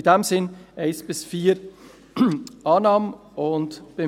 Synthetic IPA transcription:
dɛmzɪnʔaɪsb̥ɪsfiːɾ | ʔɑːnɑːmə | ʔʊntb̥e

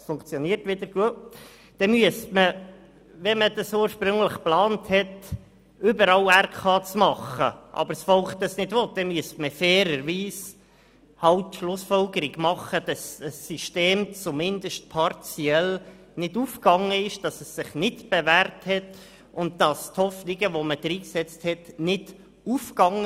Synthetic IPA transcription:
sfʊŋkt͡sjɔniːəɾtʋɪdəɾɡ̥uə | d̥ɛmyəstmə | ʋɛməd̥ɑsuːɾʃpɾʏŋləχplɑːnthɛt | ʏbəɾɑlærkʰɑːt͡smɑχə̰ʔɑ̰bəɾsfɔlχdɑsnɪdʋɔt̚d̥ɛmyəstməfɛːɾəɾʋiːs | hɑʊtʃlʊsfɔlɡəɾɪɡmɑχəd̥ɑsəsːiʃteːmt͡sumɪndəʃt̚pʰɑɾt͡siɛl | nɪduːfkɑŋːəɪʃd̥ɑsəsːɪχnɪtb̥ɛvæɾthɛt | ʊnd̚d̥ɑsthɔfnɪɡəʋoməd̥ɾiːksɛt͡sthɛtnɪd̥ | ufkɑŋə

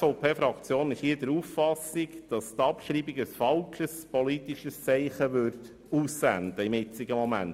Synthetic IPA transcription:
oʊpʰeːfɾɑkt͡sjoːnɪʃhiːdəɾuːffɑsikd̥ɑst̪ɑpʃɾiːbiɡəsfɑlʃəspɔlit̪iʃəst͡sɛɪχəʋʏɾt̪ | uːsːænd̪əɪmɪt͡siɡəmɔmænt

